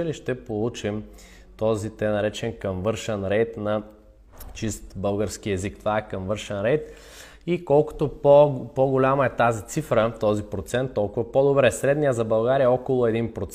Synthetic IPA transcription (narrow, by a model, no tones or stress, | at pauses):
əliʃt̪ɛpolˠut͡ʃim | t̪ɔzit̪ɛnɐɾɛt͡ʃɛnkɐmvɤɾʃɛnɾɛjt̪nɐ | t͡ʃist̪bɤlˠɡəɾskiɛzikt̪ovaɛkɐmvɤɾʃɛnɾɛjt̪ | ikɔlˠkʊ̥t̪opoɡolʲamɐɛt̪azit̪sifɾət̪ɔzipɾot̪sɛnt̪ːɔlˠkʊvɐpɔd̪obɾɛsɾɛd̪nijəzɐbɐlˠɡaɾijɐɔkolˠʊɛd̪inpɾot̪s